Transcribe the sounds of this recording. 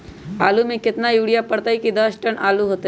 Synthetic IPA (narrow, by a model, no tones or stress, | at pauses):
aːlumẽkɪt̪najuːɽijapəɽt̪aɦikid̪əsʈənʔaːluɦoːt̪